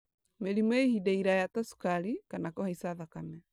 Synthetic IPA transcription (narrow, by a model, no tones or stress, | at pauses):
meɾimɔehidaiɾajatɔsu̥kaɾikanakɔhaisaðakamɛ